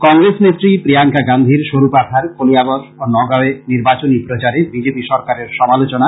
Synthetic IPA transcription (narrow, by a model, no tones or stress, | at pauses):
kɔŋɾesnet̪ɾipɾijaŋkaɡand̪ʱiɾʃoɾupat̪ʰaɾkoliaboʃonɔɡaeniɾbat͡ɕonipɾot͡ɕaɾebid͡ʑepiʃɔɾkaɾeɾʃɔmalot͡ɕona